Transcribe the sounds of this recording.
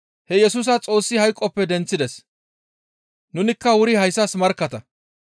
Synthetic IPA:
hɛjɛsuːs̬ɐt͡sʼo̞ːsːɪhɐjkʼːɔpːɛd̪ɛnt͡sːɪd̪ɛs | nʊnɪkːɐwʊɾɪhɐjsːɐsmɐɾkːɐt̪ɐ

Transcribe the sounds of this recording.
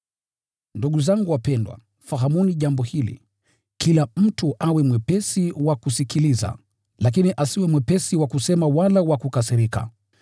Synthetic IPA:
nduɠuzaŋɡuwapɛndwa̰ | faɦamuniʄambɔhilḭ | kilam̩tuʔawɛmwɛpɛsiwakusikiliza̰ | lak̬iniʔasiwɛmwɛpɛsiwakusɛmawalawakukasiɾika̰

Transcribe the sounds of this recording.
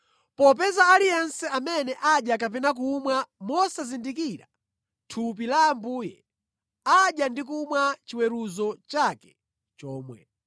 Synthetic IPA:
pɔp̬ɛzaːlijɛnsɛamɛnɛʔaɗjak̬apɛnak̬uːmwamɔsazindikiɾa | tʰup̬ilambuːjɛ̰ | aɗjandik̬umwat͡ʃiwɛɾuzɔt͡ʃakɛ̥ | t͡ʃɔːmwɛ̰

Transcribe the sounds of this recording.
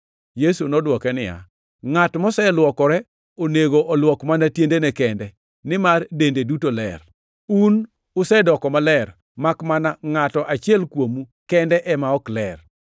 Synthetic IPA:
jesunɔdwɔkɛnɪ̰ja̰ | ŋatmɔsɛlwɔkɔɾɛ | oneɡoʔɔlwɔkmanatjendenɛkɛndɛ | nɪmardendedutolɛ̰r | un | ʊsɛdɔkɔmalɛr | makmanaŋatɔʔat͡ʃɪɛlkwomukɛndɛʔɛmaɔklɛr

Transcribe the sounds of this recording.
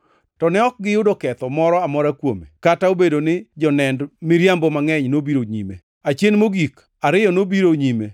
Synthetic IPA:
tɔnɛɔk̚ɡɪjʊdokɛt̪ɔmɔɾɔamɔɾakwomḛkataobedonɪd͡ʒɔnɛndmɪɾjambɔmaŋɛɲnobiɾoɲḭmḛ | at͡ʃenmoɡik | aɾɪjɔnobiɾoɲime

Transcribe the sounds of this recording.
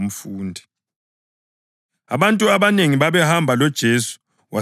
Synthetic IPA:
m̩fuːndʱi | a̰βantʼuaβaneŋiβaβɛhambʱalɔd̥ʒ̥ʱesu̥ | wa

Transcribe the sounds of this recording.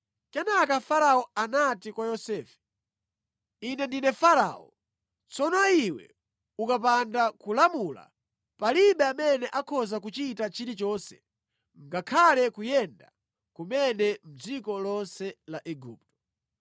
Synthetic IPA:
kɛnakafaɾaɔanatikwajɔsɛːfɛ̥ | inɛndinɛfaɾa̰ɔ̰ | t͡sɔnɔiwɛ̰ | ukap̬andakulamula̰ | paliɓɛamɛnɛʔakʰɔzakut͡ʃitat͡ʃiɾit͡ʃɔːnsɛ̥̰ | ŋ̩ɡakʰalɛkujɛnda̰ | kumɛnɛm̩d͡zikɔlɔnsɛlaʔɛɡṵːp̚tɔ̥

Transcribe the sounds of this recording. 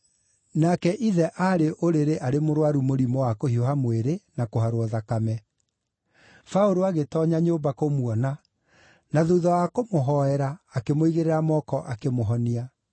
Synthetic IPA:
nakɛʔiðɛʔaɾeʔoɾeɾeʔaɾemoɾwaɾumoɾimɔwakohiohamweɾenakoɦaɾwɔðakamɛ | faoɾoaɣetɔɲaɲoːbakomwɔna | naðoðɔwakomoɦɔɛɾaːkemoiɣeɾeɾamɔkɔʔakemoɦɔnia

